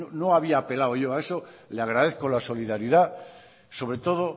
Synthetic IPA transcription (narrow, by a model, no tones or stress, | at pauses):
ono̞aβ̞iaːpe̞lawʝoae̞soleaɣɾaðeθko̞laso̞liðaɾiða | so̞β̞ɾe̞t̪o̞ð̞o